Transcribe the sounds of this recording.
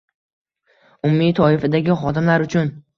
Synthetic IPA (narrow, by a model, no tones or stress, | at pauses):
ʊmːit̪ʰɒɪfad̪aɡʲɪχɒd̪ɪmlaɾʊt͡ʃʰʊn